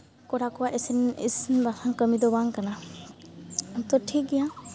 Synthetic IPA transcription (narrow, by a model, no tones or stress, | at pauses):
kɔɾakɔwaʔisinḭsinbasaŋkəmid̪ɔbaŋkana | t̪ɔtʰiɡija